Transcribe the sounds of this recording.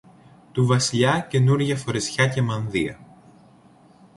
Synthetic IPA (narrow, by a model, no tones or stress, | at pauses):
t̪uvɐsiʎɐce̞nuɾʝɐfo̞ɾesçɐce̞mɐnðiɐ̰